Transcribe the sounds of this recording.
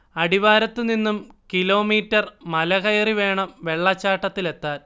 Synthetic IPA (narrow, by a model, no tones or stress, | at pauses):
ɐɽiʋaːɾɐt̪ːɨninːumkilo̞ːmiːtːɐrmɐlɐɣɐjɐriʋe̞ːɳɐmʋe̞ɭːɐt͡ɕːaːʈːɐt̪ːile̞t̪ːaːl